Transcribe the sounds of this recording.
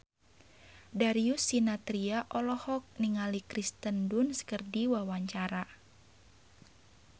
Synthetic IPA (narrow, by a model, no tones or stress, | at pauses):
daɾiusːinat̪ɾiaʔɔlɔhɔk̚niŋalikɾist̪əndunsə̥kərdiwawaɲt͡ʃaɾa